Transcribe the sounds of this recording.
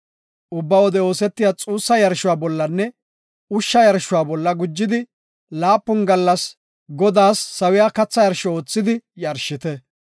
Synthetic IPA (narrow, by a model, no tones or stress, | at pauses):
ʔʊbːɐwɔd̪ɛo̞ːsɛt̪ːɪjat͡sʼuːsːɐjɐɾʃʊwaːbɔlːɐnːɛ | ʊʃːɐjɐɾʃʊwaːbɔlːɐɡʊd͡ʒːɪd̪ɪ | laːpːʊnɡɐlːɐs | ɡɔd̪aːsːɐwɪjaːkɐt͡sːɐjɐɾʃɔo̞ːt͡sːɪd̪ɪjɐɾʃːɪt̪ɛ